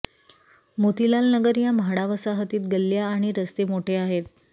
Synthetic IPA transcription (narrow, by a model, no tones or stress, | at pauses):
mot̪ilalnəɡəɾjamɦaɽaʋəsaɦət̪iːt̪̚ɡəlːjaːɽ̃iɾəst̪emoʈʰeaɦet̪̚